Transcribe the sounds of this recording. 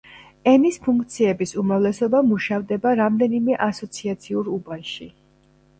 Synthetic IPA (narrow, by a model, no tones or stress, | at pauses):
ɛnispʰuŋkʰt̪sʰiɛbisumɾavlɛsɔbamuʃavd̪ɛbaɾamd̪ɛnimɛʔasɔt̪sʰiat̪sʰiuɾubanʃi